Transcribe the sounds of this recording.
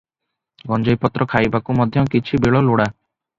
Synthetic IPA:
ɡɔnd͡ʒɔjpɔt̪ɾɔkʰajbakumɔd̪ʱjɔkit͡ʃʰibeɭɔloɽa

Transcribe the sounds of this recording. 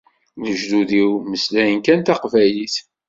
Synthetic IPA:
ləʒd̪uðiwməslæjənkænt̪ɑqvæjliθ

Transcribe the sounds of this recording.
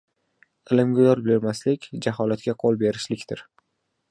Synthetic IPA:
ɪlɪmɡʲajɒɾbɪlɪɾmaslɪkʲd͡ʒaɦɒlat̪̚kʲaqʰolˠbe̞ɾɪʃlɪkʲt̪ɪɾ

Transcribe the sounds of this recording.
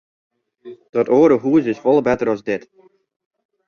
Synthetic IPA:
d̥ɔtoːɾəɦuəzɪsfɔlˠbɛtəɾɔzdɪt

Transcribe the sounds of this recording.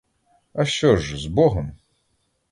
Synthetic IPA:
ɐɕɔʒzbɔɦɔm

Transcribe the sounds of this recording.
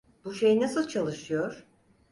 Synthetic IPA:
buʃejinasɯlˠt͡ʃʰalˠɯʃɯjoɾ̥

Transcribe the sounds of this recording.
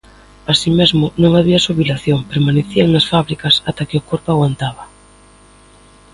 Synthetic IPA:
asimezmʊnõŋaβ̞iasuβilaθjoŋpeɾmaneθiaŋnɐsfaβɾikɐsat̪akɪʊkoɾpʊaɣwant̪aβ̞ɐ

